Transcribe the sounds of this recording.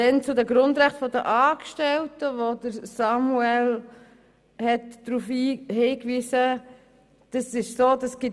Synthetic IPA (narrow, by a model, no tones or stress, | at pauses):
dɛnt͡sʊdəɡɾʊndɾæχtfɔdə̰ʔɑːkʃtɛltəʋodəɾsɑmuɛl | hɛtdɾufhiːhiːkʋiːsə | d̥ɑsɪʃsoːdɑsɡ̥ɪ